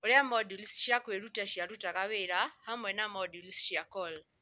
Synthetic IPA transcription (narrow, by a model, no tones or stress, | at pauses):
oɾɪamɔdulsʃiakweɾutaʃiaɾutakaweɾahamwɛnamɔdulsʃiakɔl